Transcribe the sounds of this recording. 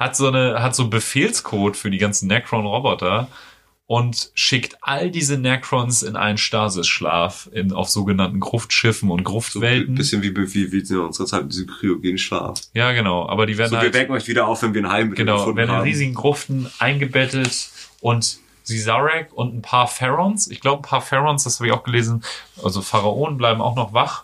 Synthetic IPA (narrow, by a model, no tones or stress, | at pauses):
hatz̥oːnəɦatz̥oːnbəfeːlskʰoːtfyːɐdiːɡant͡sn̩nɛkʁ̥ɔnʁɔbɔtɐ | ʔʊntʃɪktʔaldiːzənɛkʁɔnsɪnʔa̰ɪnənʃtaːzɪsʃla̰ːfʔɪna̰ʊfz̥oːɡənantn̩ɡʁʊftʃɪfn̩ʊnt̚ɡ̥ʁʊftv̥ɛln̩bɪsçənviːbəviːviːzʊ̰nzəʁɐt͡saɪtdizkʁ̥ioɡeːnʃla̰ːfjaːɡənaʊʔa̰ːbɐdiːveːɐdnaviːɐvɛɐkŋ̩ɔʏçv̥iːdɐaʊfv̥ɛnviɐɪnhaɪmɡənaʊveːɐnnɪnʁiːzɪɡŋ̩ɡʁʊftn̩ʔaɪnɡəbɛtətʔʊnt | z̥izaʁɛkʊntn̩pʰaːɐfɛʁɔnsɪçɡ̥laʊbən̩pʰaːɐfɛʁɔnsd̥ashaːbɪçaʊɡ̥əleːzn̩ʔalzofaʁaʔoːnənblaɪbm̩a̰ʊxnɔχvaχ